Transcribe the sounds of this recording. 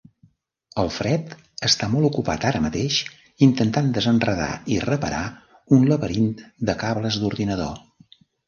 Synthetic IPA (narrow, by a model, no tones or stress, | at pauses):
əlˠfɾɛt̪ | əst̪amɔlˠukupa̰t̪aɾəmət̪eʃ | int̪ənt̪and̪əzənrəða̰irəpəɾa | unləβəɾint̪d̪əkaβləzd̪uɾðinəðo̰